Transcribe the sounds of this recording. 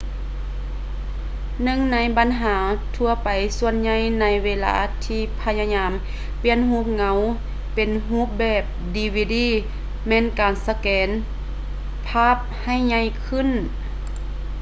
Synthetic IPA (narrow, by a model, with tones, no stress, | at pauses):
nɯ˧˨ŋna˧˥jba˨nɦaː˩˦t̪ʰu˧ɐpa˨jsu˧ənɲa˧jna˧˥jweː˧la̰ː˧t̪ʰiː˧˥pʰa˧˥ɲa˧ɲaː˧˦m | pi˧˥ənhuː˧˥p̚ŋa˧˦w | pe˨nɦuː˧˥p̚bɛː˧˩p̚diː˧wiː˧diː˧˥˨ | mɛː˧˥˨nkaː˨nsa˧kɛː˨˦n | pʰaː˧˥˩p̚ha˧˩˨jɲa˧˩jkʰɯ˧˥˨n